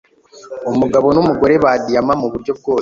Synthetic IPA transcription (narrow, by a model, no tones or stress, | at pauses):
omuɡaβo̞numuɡo̞ɾe̞βaːdijamamuβuɾɟo̞b̚ɡo̞ː